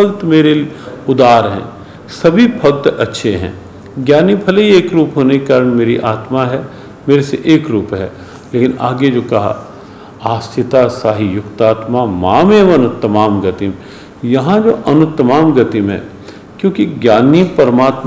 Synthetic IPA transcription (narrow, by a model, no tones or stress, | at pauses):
ɐkt̪meːɾeʊd̪aːɾɦɛ̰̃ː | sɐbʱipʰɐɡ̚t̪ɐtːʃʰeɦɛ̰̃ | ɡjaːnipʰɐleieːkɾuːpɦoːnekaːɾəɳ̃meːɾiʔaːt̪maɦɛ | meːɾeseʔeːkɾuːpɦɛ̰ː | leːkɪna̰ːɡed͡ʒoːkɐɦa̰ | aːst̪ʰɪt̪asaːɦijʊkt̪aːt̪mamaːmeːʋɐnt̪ːɐmaːmɡɐt̪im | jɐɦãd͡ʒo̰ːʔɐnʊt̪ːəmaːmɡɐt̪imɛ̰̃ː | kjõːkiɡjaːnipɐɾmaːt̪m